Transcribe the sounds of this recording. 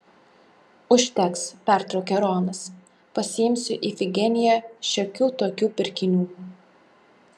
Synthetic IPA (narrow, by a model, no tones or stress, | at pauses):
ʊʃʲt̪ʲɛkspʲæˑɾt̪ɾɒʊkʲɛɾoːmɐs | pɐsʲɪjɪmʲsʲʊʔifʲɪɡʲɛnʲɪjɛʃʲɛkʲuːt̪oːkʲuːpʲɪɾʲkʲɪnʲuː